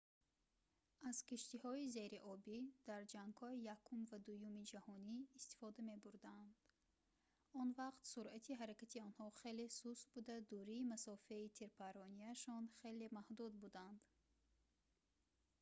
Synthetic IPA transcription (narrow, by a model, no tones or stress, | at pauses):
az̥kiʃt̪ihɔize̞ɾiʔɔbid̪̥aɾd͡ʒaŋɡhɔijakʰumvad̪ujumid͡ʒahɔniːst̪i̥fɔd̪ame̞buɾd̪and̪ | ɔnvaqt̪suɾʔat̪ʰiɦaɾakat̪ʰiɔnhɔχe̞le̞susbud̪ad̪uɾiːmasɔfeit̪ʰiɾpaɾɔniaʃɔnχe̞le̞mahd̪ud̪bud̪and̪̥